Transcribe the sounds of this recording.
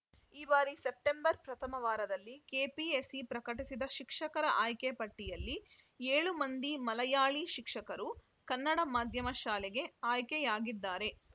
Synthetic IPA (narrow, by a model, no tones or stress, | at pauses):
iːbaːɾisep̚ʈembɐɾpɾɐt̪ʰɐmɐʋaːɾɐd̪ɐlːikeːpiesipɾɐkɐʈisid̪ɐʃikʂɐkɐɾɐʔaːjkepɐʈːijɐlːi | eːɭumɐnd̪imɐlɐjaːɭiʃikʂɐkɐɾu | kɐnːɐɽɐmaːd̪ʱjɐmɐʃaːleɡe̞aːjkejaːɡid̪ːaːɾe̞